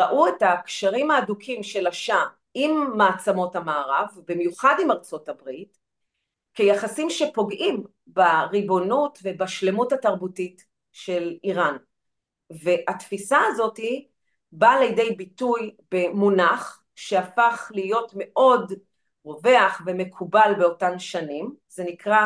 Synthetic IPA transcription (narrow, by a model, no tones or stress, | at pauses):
ʁaʔuetakʃaʁimaːdukʰimʃe̞laʃa | imːaːt͡samo̞thamaːʁavbimjuχadimaʁt͡so̞tabʁit | kejaχasimʃe̞po̞ɡʔim | baʁibo̞nutve̞baʃle̞muthataʁbutit | ʃe̞liʁan | ve̞ʔatfisaːzo̞ti | balejde̞jbitujbe̞munaχ | ʃeafaχlijo̞tme̞ʔo̞d | ʁo̞veaχbeme̞kʰubalbeo̞tamʃanimze̞nikʁa